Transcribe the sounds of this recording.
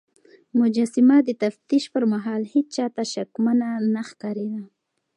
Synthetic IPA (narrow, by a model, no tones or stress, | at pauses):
mʊd͡ʒasɪmad̪ət̪aft̪iʃpəɾmaɦɑlhet͡ʃt͡ʃɑt̪aʃakmananaxkɑɾed̪a